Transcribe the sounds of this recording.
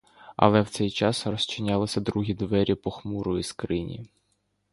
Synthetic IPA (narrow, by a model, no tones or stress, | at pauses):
ɐ̰lˠɛwt̪sɛjt͡ʃɑsrɔsʲt͡ʃɪnʲalˠɪsʲɐd̪ɾuɦʲid̪ʋɛɾʲipɔxmuɾʊiskɾɪnʲḭ